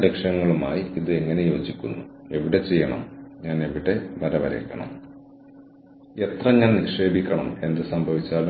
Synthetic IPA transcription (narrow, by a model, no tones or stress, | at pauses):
ɾekʂɐŋːɐɭuma̰ːjiiðɨe̞ŋːɐne̞joːd͡ʑikʲːunːue̞ʋiɽe̞t͡ɕe̞jːɐɳɐ̰mɲaːneʋiɽeʋɐɾɐʋɐ̰ɾḛkːɐɳɐ̰m | e̞t̪rɐɲaːnniʂe̞ːbʱikʲːɐɳɐme̞nd̪ɨsɐmbʱɐʋit͡ɕːaːlu